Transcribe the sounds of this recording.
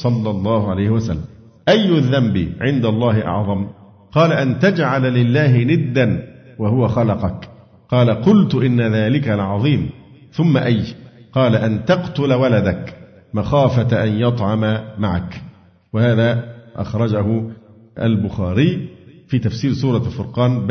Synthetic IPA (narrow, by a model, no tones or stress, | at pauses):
sˤɑlːɑlˤːɑːhʊʕalajhɪwasa̰lːam | ʔajːʊðːambḭːʕɪnd̪alˤːɑːhɪʔɑ̰ʕðˤɑm | qɑːlaʔant̪ad͡ʒʕallɪlːaːhɪnɪd̪ːanwahʊwaxɑlɑqɑk | qɑːlaqʊlt̪ʊʔɪnːaðaːlɪkalʕɑðˤiːm | θʊmːaʔajqɑːlaʔant̪ɑqt̪ʊlawalad̪ak | maxaːfat̪ʔanjɑt̪ˤʕɑmamaʕa̰k | wahaːðaːʔɑ̰xɾˤɑd͡ʒahʊ | ʔa̰lbʊxaːɾiːfiːt̪afsiːɾsuːɾˤɑlfʊɾqɑːnb